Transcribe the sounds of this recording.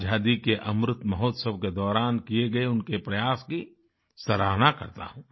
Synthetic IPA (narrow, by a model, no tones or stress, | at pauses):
d͡ʒʱaːd̪ikeʔɐmɾʊt̪mɐɦɔːt̪səbked̪ɔːɾaːnkieɡɐeʊnkepɾɐjaːski | sɐɾaːɦnakɐ̰ɾt̪a̰ɦũː